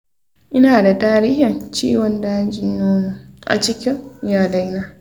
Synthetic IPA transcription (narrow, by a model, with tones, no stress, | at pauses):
ʔɪ˦naː˨da˨taː˦ɾiː˦hɪ˨nt͡ʃḭː˦wɔ˨ndaː˦d͡ʒɪ˦˨noː˦mu˨ʔa̰˨t͡ʃɪ˦kʲɪ˦ŋjaː˨da˦jnaː˦